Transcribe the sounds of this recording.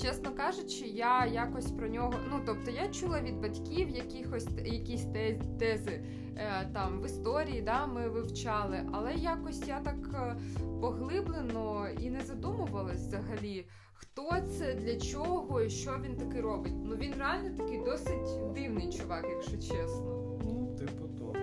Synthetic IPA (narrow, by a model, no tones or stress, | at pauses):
t͡ʃɛsnɔkɑʒʊt͡ʃɪjajakɔsʲpɾɔnʲɔɦɔnut̪ɔp̚t̪ɔjat͡ʃulˠɐʋʲid̪̚bɐtʲkʲiwjɐkʲixɔsʲjɐkʲisʲt̪ɛt̪ɛzɪ | t̪ɑmʋɪst̪ɔɾʲijid̪amɪʋɪwt͡ʃɑlˠɪʔɐlˠɛjakɔsʲjat̪ɑk | pɔɦlˠɪblˠɪnɔinɛzɐd̪umʊʋɐlˠɐsʲzɐɦɐlʲi | xt̪ɔt̪sɛd̪lʲɐt͡ʃɔɦɔiʃt͡ʃɔʋʲint̪ɐkɪɾɔbɪtʲnuʋʲinrealʲnɔt̪ɐkɪjd̪ɔsɪtʲd̪ɪwnɪt͡ʃʊʋɑkjɐkʃɔt͡ʃɛsnɔ | nut̪ɪpʊt̪o